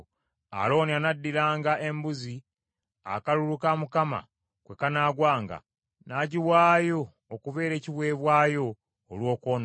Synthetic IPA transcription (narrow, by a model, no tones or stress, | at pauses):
a̰lo̞ːnianadːiɾaːŋɡaʔe̞mbuzi | a̰kalulukamukama̰ | kwe̞kanaːɡwaːŋɡa̰ | naɟiwaːjo̞ː | kuve̞ːɾe̞ːciβwe̞ːβwaːjo̞ː | lwo̞ːkoːn